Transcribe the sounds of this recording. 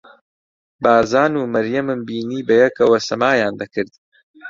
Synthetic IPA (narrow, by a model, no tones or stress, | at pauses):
baːzaːnuːmɐɾjɐmɨmbiːniːbɐjɛkʰɐwɐsɐmaːjaːnd̪ɐkɨɾd̪̚